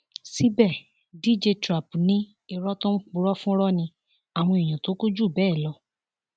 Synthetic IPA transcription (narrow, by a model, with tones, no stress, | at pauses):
si˦bɛ˦˨ | di˦d͡ʒe˧tɾa˨pu˨nĩ˦ | i˧ɾɔ˦tɔ̃˦k͡pu˧˦ɾɔ˦fũ˦ɾɔ˦nĩ˧ | a˨w̃ɔ̃˧i˨j̃ã˨to˨˦ku˦d͡ʒu˦˨bɛː˦˨lɔ˧˦